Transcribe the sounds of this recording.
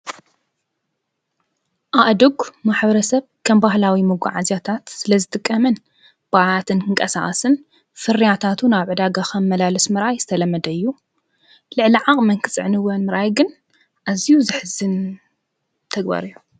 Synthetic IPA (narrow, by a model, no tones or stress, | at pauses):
ʔaβd̪ɨɡmaħbɐɾɐsɐβkʰɐmbahlawimɨɡʷa̰ʕazjat̪ʰat̪sɨlɐzɨt̪ʼɨkʼːɐmɐn | b̥aʕat̪ʰɨnkʰɨŋkʼɐsa̰ʔʼɐsɨn | fɨɾːijat̪ʰat̪ʰunaβʕɨd̪aɡakɐmːɐlalɨsmɨɾʔajzɨt̪ʰɐlɐmːɐd̪ɐɨjːu | lɨʕliʕaχʼmɐŋkʰɨsʼɨʕnɨwɐnmɨɾʔajɡɨn | ʔazijuzɨħɨzɨn | t̪ʰɐɡba̰ɾɨjːu